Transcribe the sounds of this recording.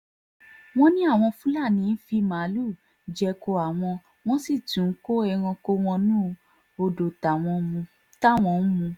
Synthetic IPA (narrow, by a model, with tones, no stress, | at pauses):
w̃ɔ̃˦nĩ˦a˦˨w̃ɔ̃˧fũ˦la˦˨nĩ˨˦n̩˦fi˧ma˨˦lu˦˨ | d͡ʒɛ˧ko˧a˨w̃ɔ̃˧ | w̃ɔ̃˦si˦˨tũ˨˦ko˦ɛ˧ɾ̃ɔ̃˧ko˧w̃ɔ̃˧nũ˦ | o˧do˨ta˨w̃ɔ̃˧mũ˧ | ta˦˨w̃ɔ̃˧˨˦mũ˧